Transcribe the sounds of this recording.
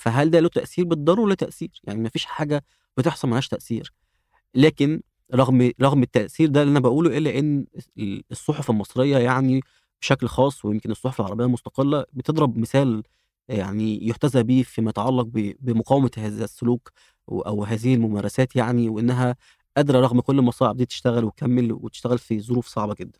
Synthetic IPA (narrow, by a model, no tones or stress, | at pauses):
fæɦæld̪ælæt̪æʔsiːɾbet̪ed̪ˤɑrˤuwlːæt̪æʔsiːɾja̰ʕnimæfiːʃħaːɡæ | b̥et̪eħsˤɑlmenhæʃt̪æʔsḭːɾ | læːken | ɾˤɑɣmɾˤɑɣmet̪ːæʔsiːɾd̪æliʔænæbæʔuːluʔelːæʔenː | esˤːoħofelmɑsˤɾejːɑjaʕni | b̥eʃæklxɑːsˤːwejemkenesˤːoħofelʕɑɾˤɑbejːɑmost̪ɑ̥qelːæbet̪ed̪ˤɾɑbmesæːl | jaʕnijoħt̪æzæbiːfimæjet̪ʕɑlːɑq̚bebemoqɑːwmæhæːzæsːʊluːk | ʔæ̰wɦæːzihelmomæːɾˤɑsæːt̪jaʕniweʔenːæɦæ | ʔæd̪ɾˤɑɾˤɑɣmkolːmɑsˤɑːʕeb̚d̪iːt̪e̥ʃt̪æɣælwekæmːelwet̪e̥ʃt̪æɣælfizˤoɾuːfsˤɑʕbɑɡed̪ːæn